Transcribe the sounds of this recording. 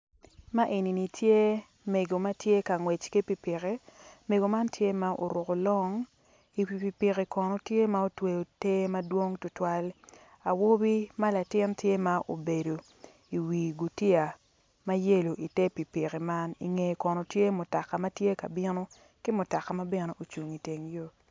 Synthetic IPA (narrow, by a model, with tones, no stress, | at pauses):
ma˦ʔe˨ni˨ni˨tje˦ | me˨ɡo˨ma˦tje˦ka˨ŋwe˨t͡ʃki˦pi˨pɪ˨ke˨˦me˨ɡo˨ma˦ntje˦ma˦ʔo̰˨ɾo˨ko˨lɔ˦ŋ | i˨pi˨pi˨pi˨ki˨kɔ˨nɔ˨tje˦ma˦o˦twe˨o˨te˦ma˦dwo˦ŋtʊ˦twa˦l | a˨wo˦bi˦ma˦la˨tɪ˦ntje˦ma˦ʔo̰˨be˨do˨ | i˨wiː˨ɡu˨ti˦a˨ | ma˦je˦lo˨ʔi˨te˦pi˨pi˨ki˨ma˦nḭ˨ŋe˨kɔ˨no˨tje˦mʊ˨ta˨ka˨ma˦tje˦ka˨bɪ˦no˦ | kɪ˦mʊ˨ta˨ka˨ma˦be˨ne˨ʔo˨t͡ʃu˨ŋi˨te˨ŋjo˦